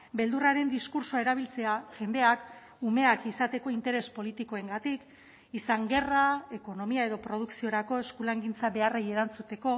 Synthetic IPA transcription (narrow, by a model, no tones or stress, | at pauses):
be̞ld̪uraɾe̞nd̪iskuɾsoae̞ɾaβ̞ilt͡seaʝe̞nd̪e̞ak | ume̞akisat̪e̞ko̞int̪e̞ɾe̞spo̞lit̪iko̞e̞ŋɡat̪ik | isaŋɡe̞rae̞ko̞no̞miae̞ðo̞pɾo̞ð̞uksio̞ɾako̞e̞skulaŋɡint͡saβe̞areje̞ɾant͡sut̪e̞ko̞